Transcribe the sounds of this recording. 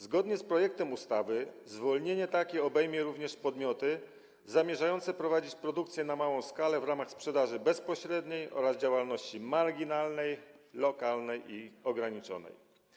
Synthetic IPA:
zɡɔd̪ɲɛspɾɔjɛk̚t̪ɛmust̪avɘ | zvɔlɲeɲɛt̪akʲɛɔbɛjmʲjɛɾuvɲɛʂpɔd̪mʲjɔt̪ɘ | zamʲjɛʐajɔnt̪sɛpɾɔvad͡ʑit͡ɕpɾɔd̪ukt̪sʲjɛnamawɔ̃w̃skalɛvɾamaxspʂɛd̪aʐɘbɛspɔɕɾɛd̪ɲejʔɔ̰ɾazd͡ʑawalnɔɕt͡ɕimaɾɡʲinalnɛjlɔkalnɛjʔiɔɡɾaɲit͡ʂɔ̰nɛ̰j

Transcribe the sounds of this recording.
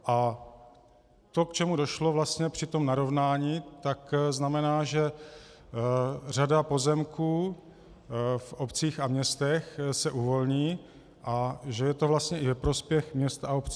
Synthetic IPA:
ʔa | t̪o̞kt͡ʃɛmudo̞ʃlo̞vlast̪ɲɛpr̝̥ɪt̪o̞mnaɾo̞vnaːɲiːt̪akznamɛnaːʒɛ | r̝adapo̞zɛmkʰuː | fʔopt͡siːxamɲɛst̪ɛxsɛʔuvo̞lɲiː | ʔaʒɛjɛt̪o̞vlast̪ɲɛʔɪvɛpɾo̞spjɛxmɲɛst̪aopt͡si

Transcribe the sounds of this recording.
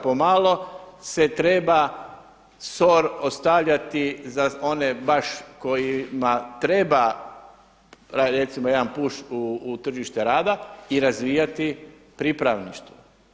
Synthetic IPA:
pomaːlˠo̞se̞t̪ɾe̞ba | so̞ɾost̪aʋʎat̪izao̞nebaʃko̞jimat̪ɾe̞ba | ɾaɾet̪simojed̪anpuʃuːt̪r̩ʒiʃt̪eɾaːd̪aiɾazʋijat̪i | pɾipɾaʋniʃt̪u

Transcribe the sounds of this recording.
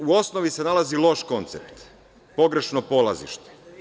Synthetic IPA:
uo̞sno̞ʋise̞nalazilˠo̞ʃko̞nt̪se̞pt̪ | po̞ɡɾe̞ʃnopo̞lazḭʃt̪e̥

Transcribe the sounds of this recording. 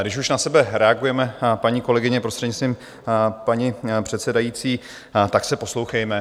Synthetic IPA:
ɡdɪʃuʃnasɛbɛɾɛaɡujɛmɛpaɲiːko̞lɛɡɪɲɛpɾost̪r̥ɛdɲɪst̪viːm | paɲipr̝̥ɛt̪sɛdajit͡siː | t̪aksɛpo̞slo̞wxɛjmɛ

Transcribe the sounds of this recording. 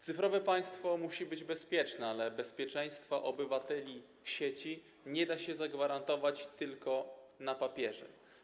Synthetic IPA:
t̪sɘfɾɔvɛpaj̃st̪fɔmuɕibɘd͡ʑbɛspʲjɛt͡ʂnɛalɛbɛspʲjɛt͡ʂɛj̃st̪faʔɔbɘvat̪ɛlʲi | fɕet͡ɕi | ɲɛd̪aɕɛzaɡvaɾant̪ɔvat͡ɕt̪ɘlkɔnapapʲjɛʐɛ̰

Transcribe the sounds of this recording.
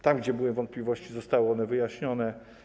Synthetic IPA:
t̪amɡd͡ʑɛbɘwɘvɔnt̪̚pʲlʲivɔɕt͡ɕizɔst̪awɘɔnɛvɘjaɕɲɔnɛ

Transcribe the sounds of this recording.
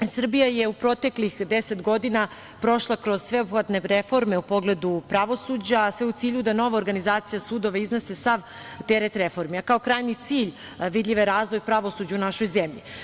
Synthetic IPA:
sr̩bijajeupɾot̪e̞klixd̪ese̞t̪ɡo̞d̪ina | pɾo̞ʃlˠakɾo̞z̥sʋe̞obxʋat̪ne̞ɾefo̞ɾmeupo̞ɡle̞d̪upɾaʋo̞suːd͡ʑasʋeut̪siːʎud̪ano̞ʋaoɾɡanizaːt̪sijasuːd̪o̞ʋeiznese̞saʋ | t̪eɾet̪ɾefo̞ɾmiakao̞kɾaːjɲit̪siːʎ | ʋid̪ʎʲiʋeɾaːzʋo̞jpɾaʋo̞sud͡ʑaunaʃo̞jzemʎḭ

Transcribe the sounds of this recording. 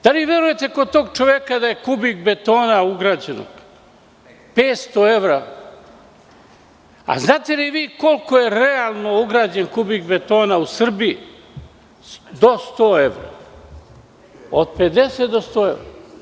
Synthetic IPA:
d̪̥aliʋe̞ɾuje̞t̪e̞kod̪̚t̪o̞ːɡ̚t͡ʃo̞ʋekad̪aje̞kubiɡbe̞t̪o̞ːnauɡɾaːd͡ʑeno̰ɡ̥ | peːt̪st̪o̞e̞ʋɾa | a̰znaːt̪e̞liʋiːko̞lko̞je̞ɾealˠno̞uɡɾaːd͡ʑenkubiɡbe̞t̪o̞ːnausr̩bii | d̪o̞st̪oːeʋɾa̰ | od̪pe̞d̪e̞set̪d̪ost̪oːe̞ʋɾa

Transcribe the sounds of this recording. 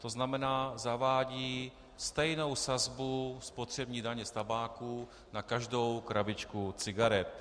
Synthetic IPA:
t̪o̞znamɛnaːzavaːɟiː | st̪ɛjno̞wsazbuspo̞t̪r̝̥ɛbɲiːdaɲɛst̪abaːkuː | nakaʒdowkɾavɪt͡ʃkut͡sɪɡaɾɛt̪̚

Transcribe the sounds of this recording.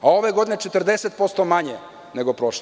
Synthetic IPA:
ao̞ʋeɡo̞d̪inet͡ʃet̪r̩d̪eset̪̚po̞st̪omaɲe | neɡo̞pɾoʃ

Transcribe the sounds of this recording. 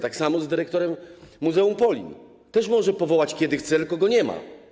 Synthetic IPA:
t̪aksamɔzd̪ɘɾɛk̚t̪ɔɾɛmːuzɛumpɔlʲḭn | t̪ɛʂ̬mɔʐɛpɔvɔwat͡ɕkʲɛd̪ɘxt̪sɛlkɔɡɔɲɛma̰

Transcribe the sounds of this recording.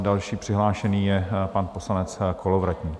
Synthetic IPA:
dalʃiːpr̝̥ɪɦlaːʃɛniːjɛpanposlanɛt͡skʰolovɾat̪ɲiː

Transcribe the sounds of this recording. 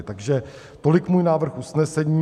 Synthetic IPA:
t̪aɡʒɛ | t̪o̞lɪkmuːjnaːvr̩xusnɛsɛɲiː

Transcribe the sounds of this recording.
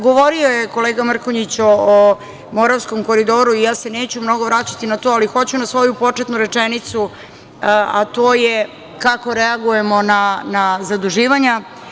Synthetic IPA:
ɡo̞ʋo̞ɾiojeko̞leːɡamr̩koɲit͡ɕoː | mo̞ɾaʋsko̞mko̞ɾid̪o̞ːɾuijaːse̞neːt͡ɕumno̞ɡo̞ʋɾaːt͡ɕat̪inat̪o̞alixo̞t͡ɕunasʋo̞jupo̞t͡ʂet̪nuɾe̞t͡ʂenit̪su | at̪oːje | kako̞ɾeaɡuje̞mo̞nanazad̪uʒiːʋaɲa

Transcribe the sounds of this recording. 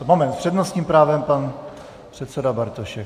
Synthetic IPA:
momɛnt̪spr̥ɛdnost̪ɲiːmpɾaːvɛmpan | pr̥ɛt̪sɛdabaɾt̪oʃɛk

